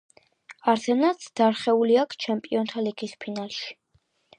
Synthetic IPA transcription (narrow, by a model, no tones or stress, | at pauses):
aɾt̪ʰɛnat̪sʰd̪̥aɾχɛuliakʰt͡ʃʰɛmpʼiɔnt̪ʰaliɡispʰinalˠʃi̥